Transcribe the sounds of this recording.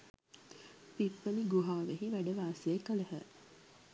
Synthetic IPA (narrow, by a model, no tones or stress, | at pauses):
pipːəniɡuɦaːʋeɦiʋæɖəʋaːsiekələɦə